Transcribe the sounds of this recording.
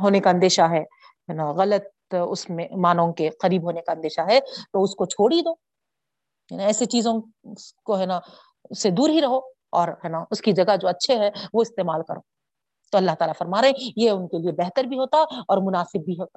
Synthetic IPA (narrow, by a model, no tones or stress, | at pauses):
ɦoːnekaɐ̃nd̪eːʃaɦɛ | ɦɛːnaɣɐlət̪̚ | ʊ̰smẽmaːnõkeqɐɾiːbɦoːnekaɐ̃nd̪eːʃaɦɛt̪oʊskot͡ʃʰoːɽid̪oː | ɦɛnaɛːset͡ʃiːzõ | koɦɛːna | ʊsːed̪uːɾɦiɾɐɦo | ɔːɾɦɛːnaʊskid͡ʒɐɡad͡ʒoːɐtːʃʰeɦɛʋoɪst̪eːmaːlkɐɾo̰ː | t̪oɐlːaɦt̪aːlafɐɾmaːɾeɦẽjeʊnkeliebɛɦt̪əɾbʱiɦoːt̪aɔːɾmʊnaːsɪbːʱiɦoːt̪a